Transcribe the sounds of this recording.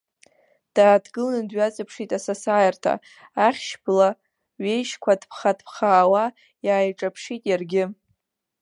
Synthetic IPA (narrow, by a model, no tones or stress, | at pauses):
d̥aːdɡɨlnɨdɥat͡sʼapʰʂitʼasasaːjartʰa̰ | aχʲʃbla | ɥejʃkʷʰadpʰχadpʰχaːwa | jaːjʈ͡ʂʼapʰʂitʼjarɡʲɪ